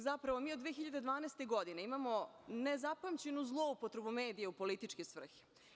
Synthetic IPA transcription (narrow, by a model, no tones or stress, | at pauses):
zapɾaʋomiːod̪ʋeexiʎad̪ed̪ʋaːnest̪eɡo̞d̪ineimamo̞ | nezapamt͡ɕe̞nuzlˠo̞upot̪ɾe̞bume̞ːd̪ijeupo̞lit̪it͡ʃkisʋr̩xi̥